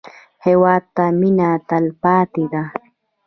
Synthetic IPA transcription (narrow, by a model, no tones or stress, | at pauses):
hewat̪amɪnat̪alpaːt̪ɪɢɑ